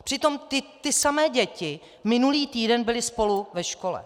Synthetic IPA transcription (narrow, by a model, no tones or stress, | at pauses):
pr̥ɪt̪o̞mt̪ɪt̪ɪsamɛːɟɛcɪ | mɪnuliːt̪iːdɛnbɪlɪspo̞luvɛʃko̞lɛ̰